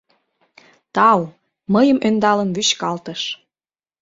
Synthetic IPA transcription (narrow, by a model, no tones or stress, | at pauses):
t̪ɑw | məjəmʔønd̪ɑlənβyɕkɑlt̪əʃ